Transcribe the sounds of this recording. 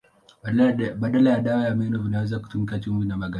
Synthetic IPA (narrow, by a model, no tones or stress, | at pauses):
ɓaɗalajaɗawajamɛnɔvinawɛzaku̥tumikat͡ʃumvinamaɡa